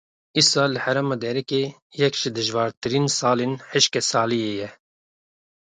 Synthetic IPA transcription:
isɑːlɨhæɾɛmɑːd̪ɛɾɛke | jɛkʒ̥ɨd̪ɨʒvɑːɾt̪ɨɾiːnsɑːleːnħɨʃkɛsɑːlijeːjɛ

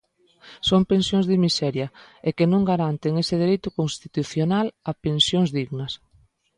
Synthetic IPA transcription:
sompẽnsjõŋzðɪmisɛɾjɐekɪnõŋɡaɾant̪eŋesɪðeɾejt̪ʊkoŋst̪it̪uθjonalɐpensjoŋzðiɣnɐs

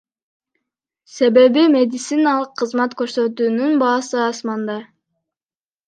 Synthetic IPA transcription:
se̞be̞bime̞d̪ʲit̪sinalˠəqʰːɯzmɑt̪køɾsø̞t̪yːnynbɑːsɯɑsmɑnd̪ɑ

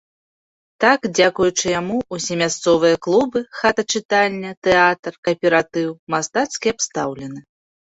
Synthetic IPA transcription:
t̪akd͡zʲakujut͡ʂɨjamuusʲɛmʲast̪sɔvɨjɐklˠubɨxat̪ɐt͡ʂɨt̪alʲːɐt̪ɛat̪rkɐpʲɛɾat̪ɨwmast̪at̪skʲiapst̪awlʲɛnɨ

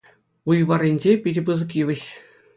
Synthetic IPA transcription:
ujβɑrʲinʲd͡ʑepʲiɾʲbɯzɤ̆kjɯʋʲɘ̆ɕ

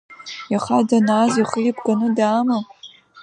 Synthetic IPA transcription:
jaχadanaːziχijpʰɡanɨdaːma

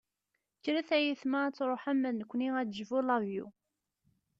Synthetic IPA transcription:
kːɾæθæjiθmæt͡sːɾˤoħæmːæðnəkʷːniæd̪ʒvulɑvjṵ

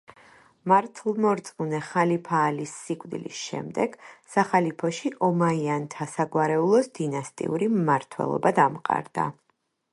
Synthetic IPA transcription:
maɾt̪ʰlˠmɔɾt̪sʼqunɛχalipʰaːlisːikʼd̪ḭlḭsʃɛ̰md̪ɛɡ̥saχalipʰɔʃiʔɔmaiant̪ʰasaɡwaɾɛulˠɔsd̪inast̪ʼḭuɾimːaɾt̪ʰwɛ̰lˠɔ̰bad̪amqʼa̰ɾd̪a̰

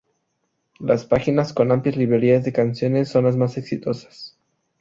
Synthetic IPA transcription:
laspaxinasko̞nampljazliβɾe̞ɾiazðe̞kansjo̞nesːo̞nlazmase̞ksit̪o̞sḁs

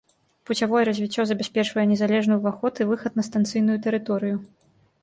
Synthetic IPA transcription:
put͡sʲavɔjɛɾɐzʲvʲit͡sʲːɔzɐbʲasʲpʲɛt͡ʂvɐjɛnʲɛzalʲɛʐnujuvaxɔt̪ɨvɨxɐt̪nɐst̪ant̪sɨjnujut̪ɛɾɨt̪ɔɾɨju

